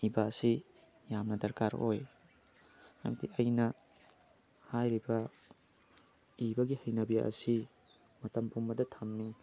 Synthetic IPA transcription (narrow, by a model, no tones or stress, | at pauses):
ibaɐsi | jamnɐdɐɾkaɾo̰j | amɐdiɐjnɐ | hajɾibɐ | ibɐɡihɐjnɐbija̰ʔɐ̰si | mɐtɐmpʰumbɐdɐtʰɐmːi